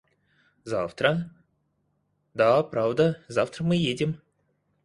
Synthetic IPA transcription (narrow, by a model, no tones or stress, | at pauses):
zaft̪ɾə | d̪apɾavd̪əzaft̪ɾəmɨjedʲɪm